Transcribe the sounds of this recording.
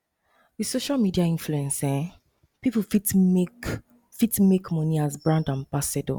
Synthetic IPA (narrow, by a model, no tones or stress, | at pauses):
wisoʃalmidiaĩnfluɛ̃nsɛ̃ | pipufitk | fitmekmɔniazbɹãndãnbasɛdo̰